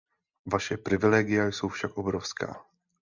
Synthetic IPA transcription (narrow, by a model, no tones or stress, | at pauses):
vaʃɛpɾɪvɪlɛːɡɪjajso̞wfʃakʔobɾofska̰ː